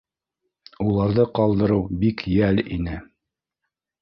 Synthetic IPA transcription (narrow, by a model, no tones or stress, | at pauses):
ulˠɑɾðɤqɑlˠd̪ɤ̆ɾɤwbikjælḭnɘ